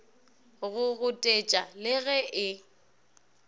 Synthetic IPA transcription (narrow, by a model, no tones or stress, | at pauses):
ɣʊɣʊtʼet͡ʃʼalɪɣɛʔɪ